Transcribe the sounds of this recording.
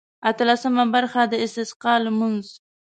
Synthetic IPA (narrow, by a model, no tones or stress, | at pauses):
at̪alasəmabaɾxad̪əɪst̪ɪsqɑləmʊnz